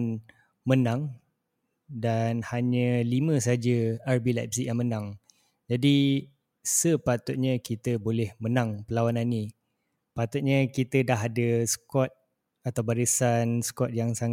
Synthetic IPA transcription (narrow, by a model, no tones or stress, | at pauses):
n | mənãŋ | danhaɲə̃limə̃saad͡ʒəarbilap̚sijaŋmənãŋ | d͡ʒadi | səpat̪ʊt̪̚ɲə̃kit̪əbolɛhmənãŋpəlawanani | pat̪ʊt̪̚ɲə̃kit̪ədaɦadəskɔt̪̚ | at̪awbaɾisanskɔt̪̚jaŋsaŋ